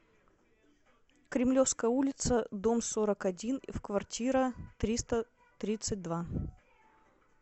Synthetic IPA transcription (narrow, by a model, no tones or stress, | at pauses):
kɾʲɪmlʲofskəjəulʲɪt̪səd̪omsoɾəkɐdʲinfkvɐrtʲʰiɾət̪ɾʲist̪ə | t̪ɾʲit̪sɨt̚ʲd̪va